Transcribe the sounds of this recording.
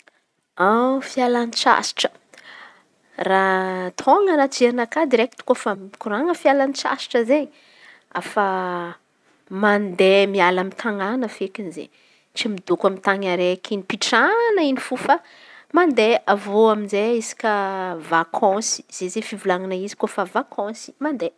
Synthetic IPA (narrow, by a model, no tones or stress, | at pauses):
afialanit͡ʃa̰si̥ʈ͡ʂə̥ | rat̪ʰoŋəɾat͡ʃeɾinakad̪iɾekit̪u̥kofamkuɾaŋəfialanit͡ʃa̰si̥ʈ͡ʂəzeɲi | a̰fa | mand̪emialamint̪ʰaŋanəfekʲinzḛ | t͡simid̪okamint̪aŋaɾekʰinipiʈ͡ʂanəinifufa | mand̪eavoaminzeisi̥kʲəvakʰɔ̃si̥z̥ezefivulaŋanaizi̥kofavakʰɔ̃si̥mand̪e